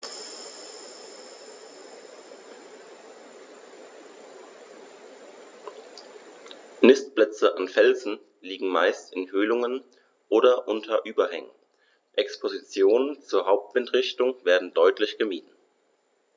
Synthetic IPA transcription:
nɪstb̥lɛt͡səʔanfɛlzn̩ | liːɡŋ̩maɪstɪnhøːlʊŋən | ʔoːɾɐʔʊntʰɐʔyːbɐhɛŋə̰n | ʔɛkspʰozit͡sjoːnənt͡suːɐɦaʊp̚tv̥ɪntʁ̥ɪçtʊŋveːɐdn̩dɔʏtʰlɪçɡ̥əmiːtn̩

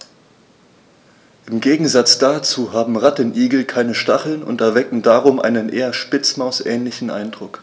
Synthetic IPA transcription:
ʔɪmɡeːɡŋ̩zat͡sd̥aːt͡suːɦaːbm̩ʁatənʔiːɡl̩kʰaɪnəʃtaχl̩nʊ̰ntɛɐvɛkŋ̩daːʁʊmʔa̰ɪnənʔeːɐʃpɪt͡smaʊsʔɛːnlɪçn̩ʔa̰ɪndʁʊk

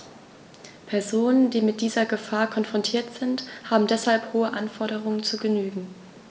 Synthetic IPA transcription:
pʰɛɐzoːnəndiːmɪt̚d̥iːzɐɡəfaːɐkʰɔnfʁ̥ɔntʰiːɐtz̥ɪnthaːbm̩dɛshalphoːəʔanfɔɐɾəʁ̞ʊŋənt͡suːɡənyːɡŋ̩

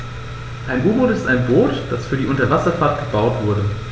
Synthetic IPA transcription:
ʔaɪnʔuːboːtɪstaɪnboːtd̥asfyːɐdiːʔʊntɐvasɐfaɐt̚ɡ̥əbaʊtv̥ʊɐɾə

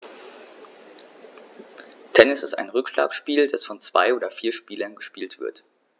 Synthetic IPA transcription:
tʰɛnɪsɪ̰sta̰ɪnʁʏkʃlʔa̰ːksʃpiːld̥asfɔnt͡sv̥a̰ɪʔoːdɐfiːɐʃpiːlɐnɡəʃpiːltv̥ɪ̰ɐt

